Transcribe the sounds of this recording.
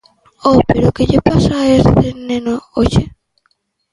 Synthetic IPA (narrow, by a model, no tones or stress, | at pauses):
opeɾʊkeʎepasaest̪enenoot͡ʃe